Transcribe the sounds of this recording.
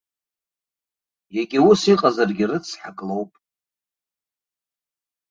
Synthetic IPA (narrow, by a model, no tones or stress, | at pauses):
jeɡʲiusiqʼazarɡʲirɨt͡sʰħakʼlowpʼ